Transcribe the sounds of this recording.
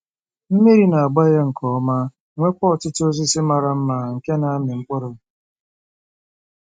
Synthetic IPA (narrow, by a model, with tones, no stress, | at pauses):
m̩˦me˦ɾi˨na˨a˨ɡ͡ba˦je˦ŋ̩˨kʰɔ˨ɔ˦ma˦ | ŋʷe˦kʷɔ˦˨tɪ˦to˦zi˦sɪ˦ma˨ɾa˦m̩˦ma˨ŋ̩˨ke˦na˨a˦mɪ˨ŋ̩˦kʷɔ˦ɾɔ˨